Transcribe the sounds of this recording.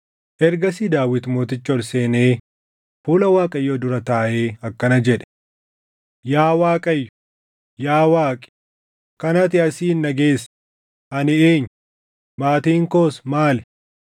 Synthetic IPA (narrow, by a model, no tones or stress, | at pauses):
ʔɛɾɡɐsiːd̪aːwɪt̪mo̞ːt̪ɪt͡ʃːɔlse̞ːneː | fuːlɐwaːkʼɐjːoːd̪ʊɾɐt̪aːʔeːɐkːɐnɐd͡ʒɛᶑɛ̥ | jaːwaːkʼɐjːʊ̥ | jaːwaːkʼɪ̥ | kɐnɐt̪ɪɐsiːnːɐɡe̞ːs | ɐnɪeːɲː | maːt̪iːŋko̞ːsmaːlɛ